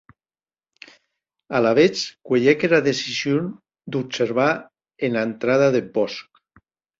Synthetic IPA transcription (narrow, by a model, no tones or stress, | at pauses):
alaβet͡ʃkweʎekeɾaðesizjon | d̪upseɾβa | enant̪ɾaðaðebɔsk